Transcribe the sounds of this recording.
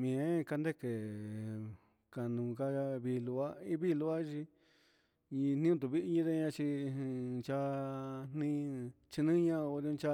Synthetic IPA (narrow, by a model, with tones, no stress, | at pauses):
mĩ˨ẽ˦ka˧nd̪e˦ke˨ | ka˨nũ˧˨ka˦a˧βi˧lu˧a˦i˦βi˦˧lu˧a˦˧t͡ʃi˧ | ɲĩ˧n̥ĩ˦ũ˧t̪̬u˧βi˦ʔɲĩ˧˦ðe˦˧ɲã˧t͡ʃi˧ | t͡ʃa˧n̥nĩ˧ | t͡ʃi˧nĩ˦ɲã˦˧o˧d̃t͡ʃa˧